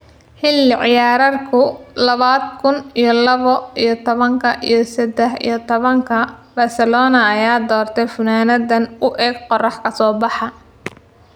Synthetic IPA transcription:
ħɪlːɪʕɪjaːɾɐrkʰʊlɐβaːd̪kʰʊnijɞlɐβɔijɞt̪ʰɔβɐŋkʰɐʔḭjɞsɛd̪ɛħḭjɞt̪ʰɔβɐŋkʰɐbɐsɐlɔːnɐːjaːd̪ɔːrt̪ʰɛfʊnaːnɐðɐnʊʔɛːɡqɔrɑħkʰɐsɔːbɑħɑ

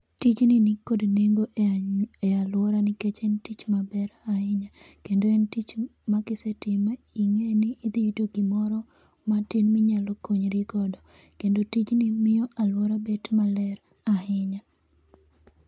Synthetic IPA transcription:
tit͡ʃninɪkodneŋɡo | ealwɔɾanɪket͡ʃɛntit͡ʃmabɛɾahɪɲa | kendoɛntit͡ʃmaɡɪsetɪma | iŋenɪːd̪iudoɡɪmɔɾɔ | matɪnmɪɲalɔkoɲɾiɡɔdɔ | kendotit͡ʃnimɪjɔʔalwɔɾabedmalɛɾ | ahɪɲa

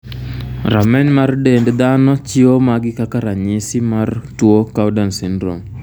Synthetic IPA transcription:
ramɛnmardendd̪anɔt͡ʃɪomaɡɪkakaɾaɲɪsɪmartwokawdansindɾo̰m

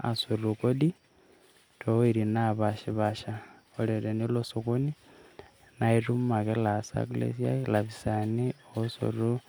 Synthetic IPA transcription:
a̰surukodi | toiɾinaβaʃiβaʃa | oleɾenilosukuni | nairummakelasa̰ɡlḛsia̰laβisanioosṵru

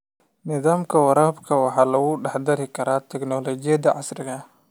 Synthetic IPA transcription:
nɪðaːmkʰɐwɐɾaːbkʰɐwɑħɑːlɐɣʊɖɑħd̪ɐɾɪkʰɐɾaːt̪ʰɛknɔːlɔːt͡ʃɪjɐd̪ɐʕɑ̰sɾɪɣɐ

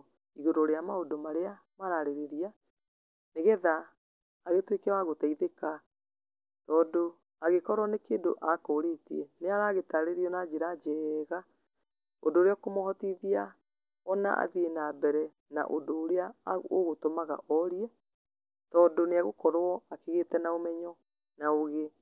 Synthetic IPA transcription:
iɣoɾoɾeamaodomaɾea | maɾaɾeɾeɾia | neɣɛðaː | ɣetwekawaɣotaiðeka | tɔːdo | aɣekɔɾwɔnekeːndo̰ʔakoɾetiɛneaɾaɣetaɾeɾiɔnad͡ʑeɾad͡ʑɛːɣa | ondoːɾeɔkomoɦɔtiðia | ɔna̰a̰ðienabɛɾɛ | na̰ʔo̰ndoːɾeaoɣotomaɣa̰ʔɔɾiɛ | tɔːndoneaɣokɔɾwɔakeɣetɛnaomɛɲɔ | naoɣe

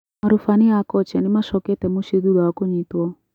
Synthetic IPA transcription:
aɾufaniakɔt͡ʃɛnimaʃɔkɛtɛmuʃiðulaakuɲitwɔ

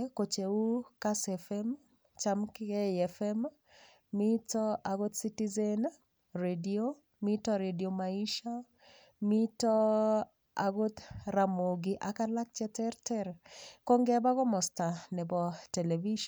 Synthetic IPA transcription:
kot͡ʃeukasɛfɛm | t͡ʃamkɛɛfɛm | mitɔaɡot̪sitizen | redio | mitɔɾediomaiʃa | mitɔ | aɡot̪ɾamoɡiʔakalak̚t͡ʃɛtɛɾtɛɾkɔŋɡɛbaɡɔmɔstanɛbɔteleviʃ

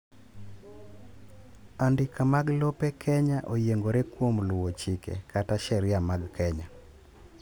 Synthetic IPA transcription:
andɪkʰamaɡlopekʰɛɲaʔojeŋɡoɾekwomlʊwot͡ʃɪkḛkataʃɛɾɪjamaɡkɛɲa

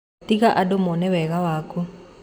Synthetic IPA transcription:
tikaʔadɔmɔnɛwɛɣawaːku

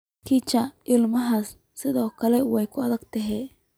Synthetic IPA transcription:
kʰit͡ʃɐɪlmɐɦɐsː | ɪðɔːkʰɐlɛwɛjkʰʊɐðɐɡt̪ʰɐɦɛː

